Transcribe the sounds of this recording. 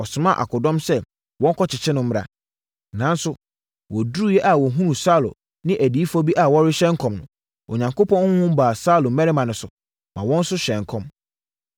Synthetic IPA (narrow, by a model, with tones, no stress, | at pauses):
ɔ˨sʊ˨mã̰˦˨ʔa̰˨kʰʊ˨dɔ̃˦msɛ˦ | wɔ̃˦ŋ̩˦kʰɔ˦t͡ɕʰɪ˨t͡ɕʰɪ˦nʊ̃˦m̩˦m˦ɾa̰˨ | nã˨˦n˦sʊ˦ | wɔ˨du˦u˦jɛ˦ʔa˨wɔ˨ɦũ˦ɾũ˨sa˦˨lo̰˨ | nɪ̃˦ʔæ˨di˨˦i˦fɔ˦bi˦ʔa˨wɔ˦ɾɪ˦ɕɛ̃˦ŋkʰɔ̃˨mnʊ̃˨ | o̰˨ɲã˨ŋko˦pʰɔ̃˦n˦hʊ̃˦m˦baː˨saː˦lʊ˨mɛ˦ɾɪ˦mã˨nʊ̃˨sʊ˨ | mã˨wɔ̃˦n˦sʊ˦ɕɛ̃˨ŋkʰɔ̃˦m